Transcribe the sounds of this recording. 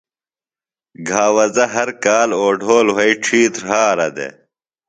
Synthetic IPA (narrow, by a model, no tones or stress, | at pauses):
ɡʱaːwɐzɐɦɐɾkaːloːɖʱoːlwɐiʈ͡ʂʰiːt̪ɾɦaːɾɐd̪ḛ